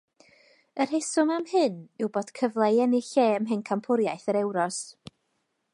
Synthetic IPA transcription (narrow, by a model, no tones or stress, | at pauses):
ər̥ɦesʊmamhɨnɪwboːd̥kʰəvlˠajɛnɪɬeːəmɦɨnkʰampʰʊɾjajθəɾɛwɾɔs